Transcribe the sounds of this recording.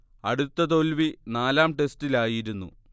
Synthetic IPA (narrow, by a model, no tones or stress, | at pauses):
ɐ̰ɽut̪ːɐt̪o̞lʋinaːlaːmʈe̞stilaːjiɾunːṵ